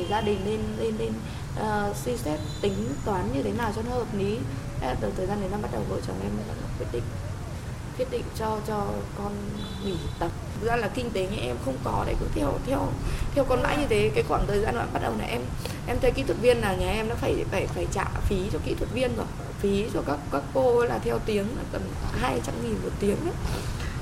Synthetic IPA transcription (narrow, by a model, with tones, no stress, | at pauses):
e˧˩zaː˧ɗï˨˩ŋ̟ne˧nle˧nːe˧n | ʔəː˨˩si˧sɛ˦˥t̚t̪ï˨˦ŋ̟t̪waː˨˦nɲɨ˧t̪ʰe˨˦naː˨˩wt͡ɕɔ˧n˧˦həː˨˩p̚ni˨˦˨ | t̪ə˨˩t̪ʰəː˨˩zaː˧nə˨˩jzaː˧ɓa˦˥t̚ɗə˨˩wɦo̰˧˨jt͡ɕə̰˧˨˩mʔɛ̰˧maː˨˩la̰˧˩˥nə˨˩t̪̚wi˦˥ət̚ɗḭ̈˧˨ŋ̟ | k̪wi˦˥ət̚ɗḭ̈˧˨ŋ̟t͡ɕɔ˧t͡ɕɔ˧kɔ˧n | mi˧˩˨t̪ə˨˩p̚zaː˧nlaː˨˩kï˧ŋ̟t̪e˨˦ɲa˧ʔɛ˧mxə˧wŋ͡mkɔ˨˦ɗa̰ː˧˩kʊ̰˧˥˦ŋ͡mt̪ʰɛ˧əwt̪ʰɛ˧wt̪ʰɛ˧wkɔ˨˧nma̰ː˧˥jɲɨ˧t̪ʰe˨˦kaː˨˦jkwaː˧˩ŋt̪ʰəː˨˩zaː˧nwa̰ː˧˨jɓa˦˥t̚ɗə˨˩wna̰ː˨˩ʔɛ˧m | ʔɛ˧mt̪ʰə˧˦jkḭ˧˥t̪ʰwə˨˩t̚vi˧ənlaː˨˩ɲaː˨˩ʔɛ˧mɗa̰ː˧˥faː˧˩jfaː˧˩jfaː˧˩jt͡ɕa̰ː˧˨fi˨˦t͡ɕɔ˧kḭ˧˥t̪ʰwə˨˩t̚vi˧ənzə˨˩˧fi˨˦t͡ɕɔ˧kaː˦˥kːaː˦˥kːo˧ə˨˦laː˨˩t̪ʰɛ˧wt̪i˨˦əŋlaː˨˩t̪ə˨˩n˨˩ɦaː˧jt͡ɕa˨˦mŋi˨˩nmo˨˩t̚t̪i˨˦əŋɗa˨˦